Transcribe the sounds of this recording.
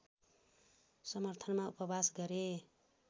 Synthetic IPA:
sʌmʌrt̪ʰʌnmaupʌbasɡʌɾe

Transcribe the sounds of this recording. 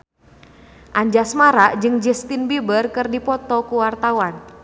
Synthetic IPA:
ʔaɲd͡ʒasmaɾaʔd͡ʒɨŋd͡ʒɛst̪ɪnbibərkɨrdipɔt̪ɔkuwart̪awan

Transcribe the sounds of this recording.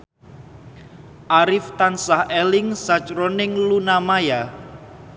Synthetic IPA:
ʔaɾɪft̪ansahɛlɪŋsat͡ʃɾɔnɪŋlunamaja

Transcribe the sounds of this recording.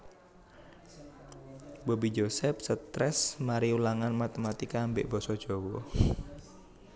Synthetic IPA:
bɔbid͡ʒosɛp̚sət̪ɾɛsmaɾiulaŋanmat̪emat̪ikaːmbeʔb̥ɔsɔd̥ʒ̥owɔ

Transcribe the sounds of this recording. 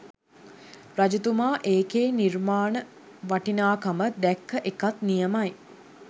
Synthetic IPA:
ɾad͡ʒut̪umaːʔeːkeːnirmaːnə | ʋaʈinaːkaməd̪ækʰːəʔekat̪nijəmaj

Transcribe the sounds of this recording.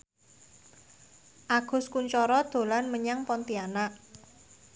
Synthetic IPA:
ʔaɡ̥ʊ̤skuɲt͡ʃɔɾɔd̪̥o̤lanməɲaŋpɔnt̪ianaʔ

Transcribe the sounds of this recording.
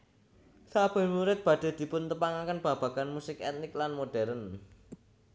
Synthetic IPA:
sab̥ə̤muɾɪt̪̚b̥ä̤ɖ̥a̤d̪̥i̤pʊnt̪əpaŋakənb̥ä̤b̥ä̤ɡ̥anmusɪkɛt̪̚nɪklanmoɖ̥ɛɾən

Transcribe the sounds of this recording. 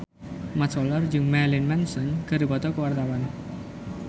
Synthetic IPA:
mat̪sɔlərd͡ʒɨŋmɛlɪnmɛnsɔnkəɾubɔt̪ɔkəwart̪awan

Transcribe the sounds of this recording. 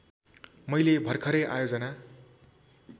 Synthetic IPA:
mʌjlebʱʌrkʰʌɾʌjʔa̰jod͡zʌna

